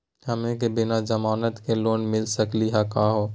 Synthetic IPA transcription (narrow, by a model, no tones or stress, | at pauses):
həmẽkebɪnad͡ʒəmaːnət̪keloːnmɪlsəkliɦakaːɦoː